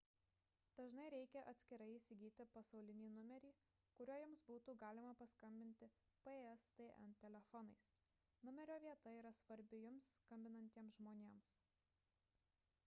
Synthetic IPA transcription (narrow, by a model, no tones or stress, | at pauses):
d̪̥ɐʒnɐɪɾʲɛɪkʲɛʔɐt̪ʲsʲkʲɪɾɐɪiːsʲɪɡʲiːt̪ʲɪpɐsɒʊlʲɪnʲiːnʊmʲɛɾʲiː | kʊɾʲuːjʊmsbuːt̪uːɡɑːlʲɪmɐpɐskɐmʲbʲɪnʲt̪ʲɪ | peɛst̪eːʔɛ̰nt̪ʲɛlʲɛfɔnɐɪs | nʊmʲɛɾʲoːʋʲiɛt̪ɐiːɾɐsʋɐɾʲbʲɪjʊmskɐmʲbʲɪnɐnʲt̪ʲiɛmsʒmoːnʲeːms